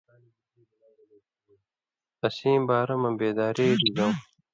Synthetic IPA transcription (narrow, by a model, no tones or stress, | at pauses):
ɐsĩːmbaːɾɐmɐbeːd̪aːɾeːɾizɐw